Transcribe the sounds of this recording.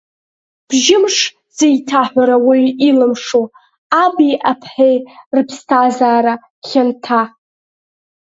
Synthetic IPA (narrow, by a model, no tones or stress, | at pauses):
b̥ʒɪmʂ | z̥ejtʰaħʷᶣaɾawiɥilɨmʂo | abiʔapʰħejrɨpʰstʰazaːɾa | χʲantʰa